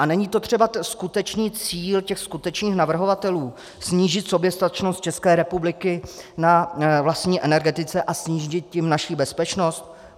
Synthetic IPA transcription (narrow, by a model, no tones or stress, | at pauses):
ʔanɛɲiːt̪o̞t̪r̝̥ɛbaskut̪ɛt͡ʃniːt͡siːlcɛxskut̪ɛt͡ʃniːxnavr̩ɦo̞vat̪ɛluː | sɲiːʒɪt̪so̞bjɛst̪at̪ɛt͡ʃnost̪̚t͡ʃɛskɛːɾɛpublɪkɪnavlast̪ɲiːʔɛnɛɾɡɛt̪ɪt͡sɛʔasɲiːʒʒɪt̪jɪmnaʃiːbɛspɛt͡ʃno̞st̪